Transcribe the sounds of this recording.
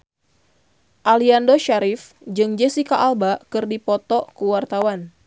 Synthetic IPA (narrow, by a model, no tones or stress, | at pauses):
ʔaliandoʃaɾif | d͡ʒɨŋd͡ʒɛsikaʔːlbakɨrdipɔt̪ɔkəwart̪awan